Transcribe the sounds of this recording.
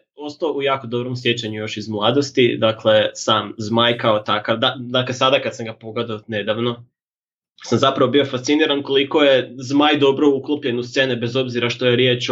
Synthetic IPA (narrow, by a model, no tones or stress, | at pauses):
o̞st̪aoujaːko̞d̪o̞bɾo̞msje̞t͡ɕaɲujo̞ʃizmlˠaːd̪o̞st̪id̪akle̞saːmzmajkaot̪akaʋd̪ad̪akle̞sad̪akad̪samɡapo̞ɡed̪aone̞d̪aʋno̞ | samzapɾaʋo̞bio̞fast̪siniːɾanko̞liko̞je̞zmaːjd̪o̞bɾouklˠopʎe̞nust̪se̞ːnebe̞zo̞bziɾaʃt̪o̞jeɾjet͡ʃ